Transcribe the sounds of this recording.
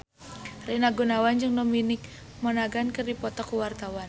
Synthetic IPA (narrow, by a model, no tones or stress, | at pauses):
renaɡunawand͡ʒɨŋdominɪk̚ | mɔnaɡankɨrdipɔt̪ɔkuwart̪awan